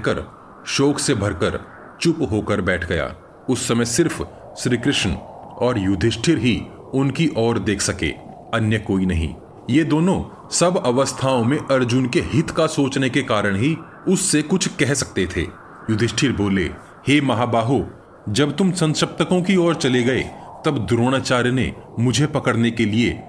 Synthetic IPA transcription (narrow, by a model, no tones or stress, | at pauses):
kəɾ | ʃoːkʰsebʱɐɾkəɾ | t͡ʃʊpɦoːkəɾbɛːʈʰɡɐja̰ː | ʊsːɐməjsɪɾf | ʃɾiːkɾɪʃnɔːɾjʊd̪ʱɪʃʈʰɪɾɦi | ʊnkiʔɔːɾd̪eːkʰsɐkḛː | ɐnjəkoːinɐɦḭ̃ː | jed̪oːnõ | sɐbɐʋəst̪ʰaːõmẽʔɐɾd͡ʒʊnkeɦɪt̪kasoːt͡ʃnekekaːɾəɽ̃ɦi | ʊsːekʊt͡ʃʰkɛɦsɐk̚t̪et̪ʰḛː | jʊd̪ʱɪʃʈʰɪɾboːlḛ | heːmɐɦaːbaːɦo | d͡ʒɐbt̪ʊmsɐ̃nʃɐp̚t̪əkõkiɔːɾt͡ʃɐleɡɐḛt̪ɐbd̪ɾoːɽ̃at͡ʃaːɾjnḛmʊd͡ʒʱepɐkəɽnekelie